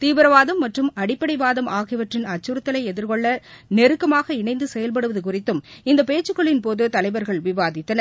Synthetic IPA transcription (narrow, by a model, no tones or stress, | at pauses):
t̪iːʋɪɾɐʋaːðɐmːɐʈrɯmɐɽɪpːɐɽɐɪʋaːðɐmʔaːɣɪʋɐʈrɪnɐt͡ʃːɯɾɯt̪ːɐlɐɪɛðɪɾkɔɭːɐnɛɾɯkːɐmaːɣɐɪɳɐɪnd̪ɯsɛjɐlp̬ɐɽɯʋɐðɯkʊrɪt̪ːɯmɪnd̪ɐpeːt͡ʃːɯkːɔɭɪnpoːðɯt̪ɐlɐɪʋɐɾɣɐɭʋɪʋaːðɪt̪ːɐnɐɾ